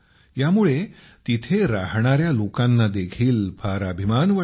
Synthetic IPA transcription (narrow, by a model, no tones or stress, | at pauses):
jamuɭe | t̪it̪ʰeɾaɦɳaɾjalokanːad̪ekʰiːlpʰaɾabʱimanʋə